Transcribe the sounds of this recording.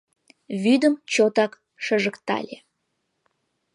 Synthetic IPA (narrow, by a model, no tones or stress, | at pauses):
βyd̪əmt͡ɕot̪ɑk | ʃəʒəkt̪ɑ̰lʲe